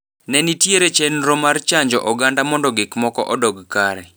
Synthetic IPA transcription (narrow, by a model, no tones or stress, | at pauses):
nɛnitjeɾet͡ʃenɾomart͡ʃaɲd͡ʒɔʔɔɡandamɔndɔɡɪkmɔkɔ̰ʔɔdɔɡkaɾɛ